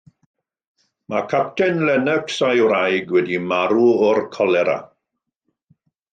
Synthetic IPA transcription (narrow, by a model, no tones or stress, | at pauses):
makʰap̚tʰɛnlɛnəksajwɾajɡwɛdimaɾuɔrkʰɔlɛɾa̰